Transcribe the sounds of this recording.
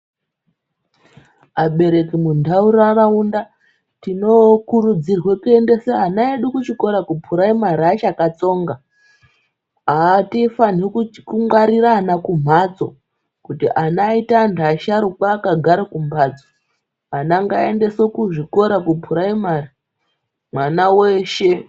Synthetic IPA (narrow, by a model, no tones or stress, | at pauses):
aɓe̞ɾe̞kimundauraraunda | tino̞kuɾud͡zirwe̞kue̞nde̞seanaeɗukut͡ʃiko̞ɾakupʰuɾaimaɾiat͡ʃakat͡so̞ːŋɡa | aːtifanikkuŋwaɾiraːnakum̤at͡so̞ | kutiʔanaitandaʃaɾukwaːkaɡʱaɾakumbaːd͡zo̥ | anaŋɡaende̞sokuʐiko̞ɾakupʰuɾaimari | mwanaweʃe̞